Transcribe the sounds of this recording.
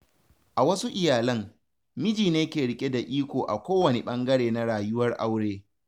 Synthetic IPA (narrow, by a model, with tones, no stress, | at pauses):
ʔa˨wɐ˦su˦ʔɪ˨jaː˨lɐ˦m | mɪ˦d͡ʒiː˨neː˦kʲeː˨ɽɪ˦kʲʼe˦da˨ʔiː˦kʷoː˨ʔa̰˨kʷoː˦wɐ˨ne˨ɓɐ˦ŋɡɐ˦ɽeː˨na˦ɽaː˨jʊ˦wɐ˦rʔa̰˦wɽeː˦